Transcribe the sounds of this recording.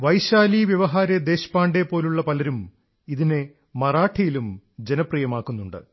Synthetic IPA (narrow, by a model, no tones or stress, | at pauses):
ʋɐjɕaːliʋjɐʋɐɦaːɾɐd̪e̞ːɕpaːɳɖepːo̞ːluɭːɐpɐlɐɾum | iðine | mɐraːʈʰːijilumd͡ʑenɐprijɐmaːkːunːuɳɖɨ̰